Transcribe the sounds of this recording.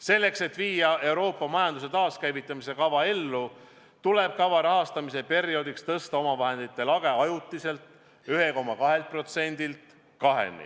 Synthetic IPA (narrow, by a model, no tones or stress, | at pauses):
se̞lːe̞kse̞t̪ːˑviːjɑe̞uwɾo̞ːpːˑɑmɑjɑnd̪uset̪ɑːskæjvit̪ːˑɑmise̞kɑvɑe̞lːu | t̪ule̞b̥̚kɑvɑɾɑɦɑst̪ɑmise̞pe̞ɾio̞d̪ikst̪ɤst̪ɑo̞mɑvɑɦe̞nd̪̥it̪ːˑe̞lɑɡ̥e̞ɑjut̪ːˑise̞lt̪ | yɦe̞ko̞mːɑkɑɦe̞lt̪̚pro̞t̪se̞nʲd̪̥ilt̪ | kɑɦe̞̰nḭ